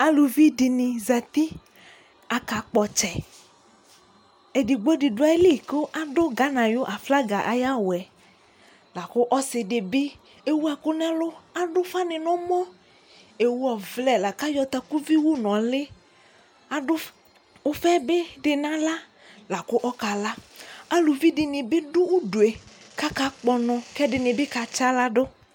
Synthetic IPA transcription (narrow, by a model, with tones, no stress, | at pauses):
a˨lu˨vi˦dɪ˨nɪ̃˨za˨t̪i˦ | a˨ka˨k͡pɔ˨t͡ʃɛ˨ | ɛ˨di˨ɡ͡bo˦ɖi˨dʊ˦a˨˦le˦˨ko˦ʔa˦dʊ˦ɡa˦nã˨jo˦ʔa˨fla˦ɡa˨ʔa˨ja˦wʊ˨ɛ˨ | la˨kʊ˦ʔɔ˦sɪ˨ɖe˨bɪ˦ | e˦wu˦a˨kʊ˦nã˦lʊ˦a˦ɖʊ˦fa˦nɪ̃˨nɔ̃˦mɔ̃˦ | e˨wu˦ɔ˨vlɛ˨la˨ka˦jɔ˨t̪a˨ku˦vi˦wu˦nɔ̃˨lɪ˦ | a˨ɖʊ˦ | wo˦fɛ˦be˦ɖɪ˨nã˦la˦ | la˨kʊ˦ʔɔ˦ka˨la˦a˦lu˨vi˦ɖɪ˨nɪ̃˨bɪ˦ɖʊ˦wu˦du˨e˨ka˦ka˦k͡pɔ˨nɔ̃˨kɛ˦ɖɪ˨nɪ̃˨bɪ˦ka˨t͡ʃa˦la˦ɖo˦